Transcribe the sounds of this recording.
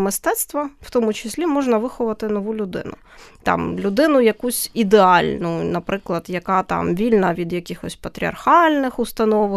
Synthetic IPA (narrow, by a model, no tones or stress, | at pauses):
mɪst̪ɛt̪st̪ʋɐw̥t̪ɔmʊt͡ʃɪsʲlʲimɔʒnɐʋɪxɔʋɐt̪ɪnɔʋulʲʊd̪ɪ̰nʊ̰ | t̪ɑ̰mlʲʊd̪ɪnʊjɐkusʲid̪eɑlʲnʊnɐpɾɪklˠɐd̪jɐkɑt̪ɑ̰mʋʲilʲnɐʋʲid̪jɐkʲɪxɔsʲpɐt̪ɾʲiɐ̰rxɑlʲnɪxʊst̪ɐnɔʋɪ